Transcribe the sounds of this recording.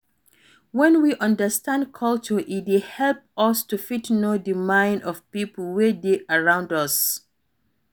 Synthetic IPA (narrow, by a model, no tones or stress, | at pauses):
wɛ̃nwiʔʌ̃ndəstãndkʰʌlt͡ʃəʔit̚wihɛlp̚ʌstufitnodəmãɪ̃ndɔvpipl̩wedeʔaɹãʊ̃ndʌs